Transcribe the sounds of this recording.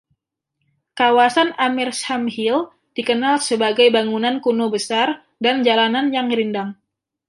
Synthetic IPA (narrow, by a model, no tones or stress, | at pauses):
kawasanamirshamhil | d̥ikənalsəbaɡajbaŋunankunobəsar | dand͡ʒalananjaŋɾindaŋ